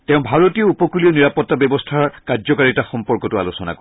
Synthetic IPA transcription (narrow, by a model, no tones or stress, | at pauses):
teʊ̃bʱaɹotijɔupɔkuliɔniɹapɔtːabjɔbɔstʰaɹkazɔkaɹitaxɔmpɔɹkɔtua̰losɔna̰kɔ